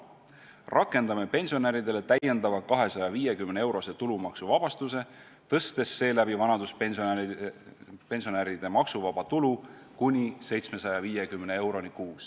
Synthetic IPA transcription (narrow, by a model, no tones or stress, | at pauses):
rʔɑkːˑe̞nd̪ɑmepe̞nʲsio̞næɾid̪e̞le̞t̪æjːe̞nd̪̥ɑvɑkɑɦe̞sɑjɑvijekymnee̞wɾo̞se̞t̪ulumɑksuvɑb̥ɑst̪use̞ | t̪ɤst̪e̞sːe̞ːlæb̥ivɑnɑd̪̥uspn | pe̞nsio̞næɾid̪̥e̞mɑksuvɑb̥ɑt̪ulu | kunʲise̞jt̪sme̞sɑjɑviːjekymnee̞wɾo̞nikuːs